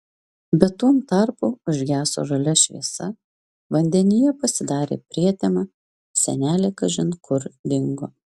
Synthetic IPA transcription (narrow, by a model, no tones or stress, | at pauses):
bʲɛt̪uɔmt̪ɐɾpuːʊʒʲɡʲæːso̰ːʒɐlʲɛʃʲʋʲḭɛsɐ | ʋɐnʲd̪ʲɛnʲɪjɛpɐsʲɪd̪ɑːɾʲḛːpʲɾʲiɛt̪ʲemɑ | sʲɛ̰nʲæːlʲeːkɐʒʲɪnkʰʊɾd̪ʲɪŋɡoː